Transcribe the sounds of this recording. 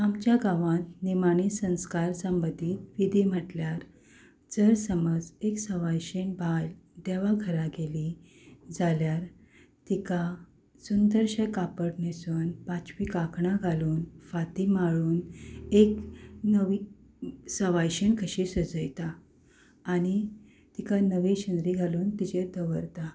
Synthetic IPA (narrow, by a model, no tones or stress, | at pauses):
amt͡ɕjaɡaʋãt̪nimañisə̃w̃skaɾsəmbəd̪ʱiːt̪ʋid̪ʱim̤əʈljaɾ | d͡zəɾsəməd͡zeksəʋajɕeɳbʱald̪eʋaɡʱəɾaɡeli | d͡zaljaɾ | t̪ika | sund̪əɾɕəjkapəɽnesunpat͡ɕʋikakɳãɡʱaluːnfat̪imaɭuːneknəʋi | səʋajɕeɳkʰəɕisəd͡zəjt̪aː | ñi | t̪ikanəʋiɕənd̪ɾiɡʱaluːnt̪id͡ʑed̪əʋəɾt̪a